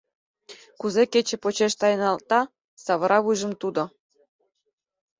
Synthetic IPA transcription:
kuzeket͡ɕĕpot͡ɕeʃt̪ɑjənɑlˠt̪ɑ | sɑβəɾɑβujʒə̆mt̪ud̪ŏ

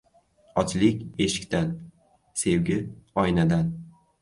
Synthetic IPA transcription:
ɒt͡ʃlɪkʲe̞ʃɪ̥kʲt̪an | se̞wɡʲɪɒjnad̪an

